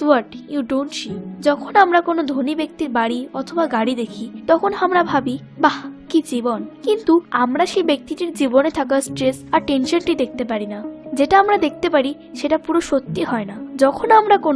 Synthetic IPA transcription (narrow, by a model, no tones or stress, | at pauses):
suaʈjuɖoɳʈʃid͡ʑɔkʰonamɾakonod̪ʱonibek̚t̪iɾbaɽiɔt̪ʰobaɡaɽid̪ekʰit̪ɔkʰonamɾabʱabi | bakid͡ʑibonkint̪uamɾaʃejbek̚t̪iʈiɾd͡ʑibonet̪ʰakasʈɾesaɾʈenʃonʈid̪ek̚ʰt̪epaɾinad͡ʑeʈaamɾad̪ek̚ʰt̪epaɾi | ʃeʈapuɾoʃot̪ːiɦɔenad͡ʑɔkʰonamɾakon